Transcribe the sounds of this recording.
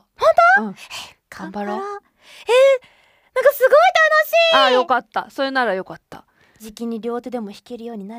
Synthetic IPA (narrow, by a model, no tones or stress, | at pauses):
hõnt̪oɯ̃e | kãbaɾo | eː | nãŋkasɨɡo̞it̪anoɕiːajo̞kat̪ːa̰so̞ɾenaɾajo̞kat̪ːa̰ | d͡ʑikʲiɲ̟iɾʲo̞ːt̪ɯd̪e̞mo̞çi̥keɾɯ̟jo̞ːɲ̟inaɾɯ